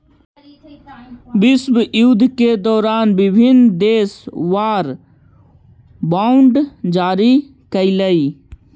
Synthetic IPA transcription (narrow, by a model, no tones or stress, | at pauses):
bisbjud̪ʱked̪ɔːɾaːnbibʱind̪eːsʋaːɾ | baʊɳɖd͡ʒaːɾi | kəɪləi